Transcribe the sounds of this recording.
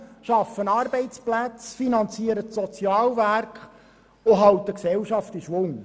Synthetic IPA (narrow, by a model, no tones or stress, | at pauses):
ʃɑfːənɑːɾbɛɪt͡splæt͡sfinɑnt͡siəɾətsɔt͡sjɑːlværkχ | ʊɦɑwt̪əksɛwʃɑft̪iʃʋʊŋ